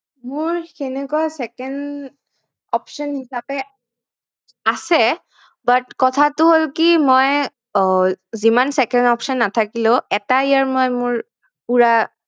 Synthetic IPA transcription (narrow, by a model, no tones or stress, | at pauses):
mʊɹxɛnɛkuasɛkɛn | ɔpʃɔnhisapɛ | asɛ | batkɔtʰatʊɦolkimoj | zimansɛkɛndɔpsɔnːatʰakilʊ̃ɛtajaɹmɔjmʊɹ | uɹa